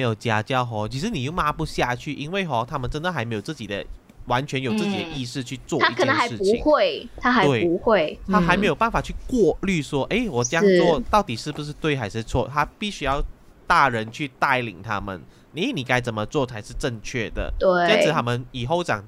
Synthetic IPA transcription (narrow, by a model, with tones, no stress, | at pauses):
jo˨˩t͡ɕja˥t͡ɕjɑ˥˩ʊxɔ˧˥t͡ɕʰi˧˥ʂ̬ɻ̩˧˥ni˨˩jo˥˩ʊma˥pu˧˥ɕja˥˧t͡ɕʰy˥˩ʔi˥nwe˥˩ɪxɔ˧˩t̪ʰa˥mə˨nʈ͡ʂə˥nd̪ə˨˩a˧˥me˧˥jo˨˩ʊt͡sɹ̩˥˩t͡ɕi˨˩d̪ə̰˦ | wa˧˦˥nt͡ɕʰɥɛ˧˦njo˨˩ʊt͡sɹ̩˥˨t͡ɕi˨˩d̪ə̰˧ʔi˥˧ʂɻ̩˥˧t͡ɕʰy˥˧t͡swɔ˥˧t̪ʰa˥kʰə˨˩ɛə˦˥ŋxa˧˦ɪʂ̩ɻ̩˥˩u˧˦˩ŋxwe˥˩ɪt̪ʰa˥xa˧˥we˥˩ɪu˧˦xwe˥˩ɪt̪ʰa˥xa˧˥ɪme˧˥jo˨˩pa˥˩nfa˨˩t͡ɕʰy˥˧kwɔ˥˧ly˥˧ʂwɔ˥ʔe˥˩ɪwɔ˨˩ʈ͡ʂɤ˥˧jɑ˥ŋ˧wɔ˥˧t̪ɑ˥˩ʊt̪i˨˩ʂɻ̩˥˩bu˩ʂ̬ɻ̩˥˧t̪we˥˩ɪxa˧˥ɪʂɻ̩˥˧t͡sʰwɔ̰˥˧t̪ʰa˥pi˥˩ɕy˥jɑ˥˧ʊ | t̪a˥˩ɻə˧˦nt͡ɕʰy˥˧t̪a˥˩ɪlḭ˨˩ŋt̪ʰa˥mə̰˨n | ni˧˥ni˨˩ka˥ɪt͡sə˨˩mə˦t͡swɔ˥˩t͡sʰa˧˥ɪʂɻ̩˥˧ʈ͡ʂə˥˧ŋt͡ɕʰɥɛ˥˩d̪ə̰˩t̪we˥˩a˥t͡s̩ʰ˧˥t̪ʰa˥mə˨ni˨˩xo˥˩ʊt͡ɕɑ̰˨˩ŋ